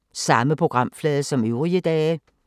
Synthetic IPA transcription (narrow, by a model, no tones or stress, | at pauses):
sɑ̈məpʰo̝ɡ̥ʁɑ̈m̰flɛːðˠəsɒ̽møʊʁiəd̥ɛː